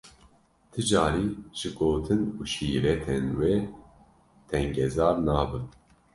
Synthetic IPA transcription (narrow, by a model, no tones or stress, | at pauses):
t̪ʰɨd͡ʒaːɾiːʒ̥ɨɡoːt̪ʰɨnuʃiːɾɛt̪ʰɛnweː | t̪ʰɛŋɡɛzaːɾnaːbɨ